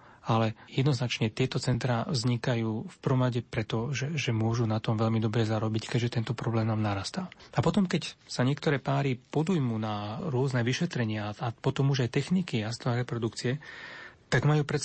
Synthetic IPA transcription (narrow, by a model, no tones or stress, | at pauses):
alɛjɛd̪nɔznat͡ʃɲɛt̪ɪɛt̪ɔt͡sɛnt̪ɾaːvzɲikajuːfpr̩ʋɔmɾaɟɛpɾɛt̪ɔʒɛʒɛmʊɔʒunat̪ɔmʋɛʎmid̪ɔbɾɛzaɾɔbickɛɟʒɛt̪ɛnt̪ɔpɾɔblɛːmnaːmnaɾaːst̪aːapɔt̪ɔmkɛcsaɲɪɛkt̪ɔɾɛːpaːɾipɔd̪ujmunaɾʊɔznɛʋiʃɛt̪ɾɛɲɪaːpɔt̪ɔmuʒajt̪ɛxnikiast̪aɾɛpɾɔd̪ukt͡siɛ | t̪aɡmajuːpɾɛt͡s